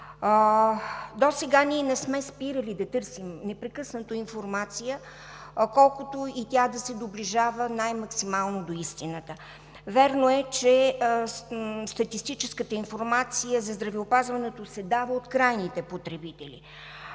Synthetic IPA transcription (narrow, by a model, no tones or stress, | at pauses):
d̪osɛɡaniɛnɛsmɛspiɾəlid̪ɐt̪ɤɾsimnɛpɾɛkɤsnət̪əinfoɾmat̪sijə | kɔlˠkot̪oit̪ʲad̪ɐsɛd̪obliʒavənajmɐksimalˠnod̪oist̪inət̪ə | vɛɾnoɛt͡ʃɛ | st̪ɐt̪ist̪it͡ʃɛskət̪əinfoɾmat̪sijəzɐzd̪ɾɐvɛopazvɐnɛt̪osɛd̪avəot̪kɾajnit̪ɛpot̪ɾɛbit̪ɛlḭ